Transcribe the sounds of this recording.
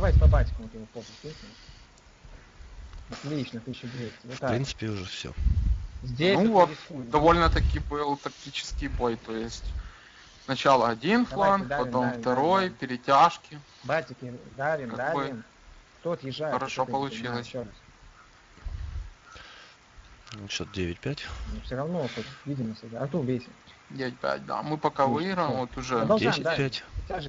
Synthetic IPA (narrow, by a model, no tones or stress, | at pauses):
d̪ɐvajtʲɪpɐbatʲɪ̥kəmk̪ʲimpopsʲins | ɐt̪lʲit͡ʃnət̪iɕɪefpɾʲint̪sɨ̥pʲɪʊʐɛfsʲo̰zʲdʲnesuvot̪ud̪ɐvo̞lʲnət̪ɐkʲibɨlˠt̪ɐk̚tʲit͡ɕɪ̥skʲɪjbo̞jt̪o̞jɪsʲtʲ | snɐt͡ɕalˠəɐdʲinflˠanpɐo̞mft̪ɐɾo̞jpʲɪɾʲɪtʲaʂkʲɪ | batʲɪkʲid̪aikɐkoj̪ | kt̪oɐt̪jɪʐːaxəɾɐʂo̞pɐəlˠʊt͡ɕilˠəsʲs | t͡ɕːot̪dʲeʋʲɪt̚ʲpʲætʲnufsʲoɾɐvnot̪ot̪vʲidʲɪməsʲɪɡaɐt̪uvʲesʲɪ | dʲevʲɪt̚ʲpʲæ̰t̚ʲd̪a̰mɨpɐkavɨiɾəmot̪ʊʐɛd̪ɐd̪pʲætʲtʲaʒ